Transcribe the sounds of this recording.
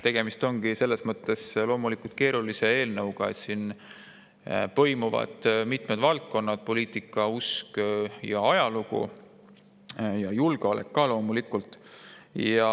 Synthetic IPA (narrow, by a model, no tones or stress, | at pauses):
t̪e̞ɡ̥e̞mist̪o̞ŋɡ̥ise̞lːe̞smɤt̪ːˑe̞slo̞ːmulikult̪̚ke̞ːɾulise̞eːlnɤwɡ̥ɑḛt̪sin | pɤ̞jmuvɑ̰d̪̥mit̪ˑmed̪vɑlt̪̚ko̞nːɑd̪̥po̞liːt̪ˑikːˑɑuskjɑɑjɑluɡ̥ṵ | jɑjulɡ̥eolḛkːɑlo̞ːmulikːˑult̪ːˑjɑ